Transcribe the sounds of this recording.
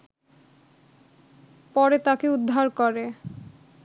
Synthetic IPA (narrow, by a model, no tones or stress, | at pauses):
pɔɾet̪akeud̪ʱːaɾkoɾe